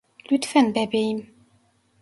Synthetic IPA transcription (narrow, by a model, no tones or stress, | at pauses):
lyt̪fɛnbɛbeim